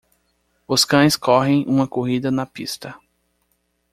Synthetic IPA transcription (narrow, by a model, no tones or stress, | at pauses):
ʊskɐ̃j̃skɔɦẽj̃ʔũmɐkoɦid̪ɐnɐpist̪ɐ